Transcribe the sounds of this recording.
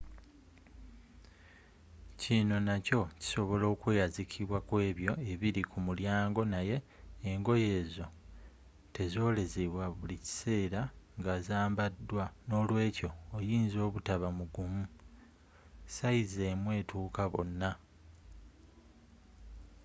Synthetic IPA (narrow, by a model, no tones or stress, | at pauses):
cino̞naco̞ci̥so̞βo̞lo̞ːkwejazikʰiβwakwe̞ːβjo̞e̞βiɾikʰumuljaːŋɡo̞naje̞ː | ŋɡo̞je̞ːzo̞ | te̞zo̞ːle̞ziβwaβulici̥se̞ːɾaŋɡazaːmbadːwano̞ːlwe̞ːco̞ːjiːnzo̞ːβutaβamuɡumu | saize̞ːmwe̞ːtuːkaβo̞̰nːa